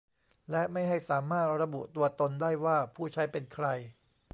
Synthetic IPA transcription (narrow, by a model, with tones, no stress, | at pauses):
lɛ˦˥ʔma˥˩jɦa˥˩jsaː˩˦maː˥˩t̪̚ɾa˧bu˨˩t̪u˧ɐt̪o˧ndaː˥˩jwaː˥˩pʰuː˥˩t͡ɕʰa˦˥jpe˧nkʰɾa˧j